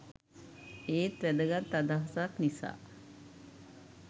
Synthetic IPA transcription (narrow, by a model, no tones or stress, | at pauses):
eːt̪ʋæɖəɡat̪ːad̪aɦɐsaːk̪nisa̰ː